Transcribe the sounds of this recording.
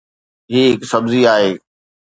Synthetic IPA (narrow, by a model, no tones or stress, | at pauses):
ɦiːɦɪksɐbziaːɦeː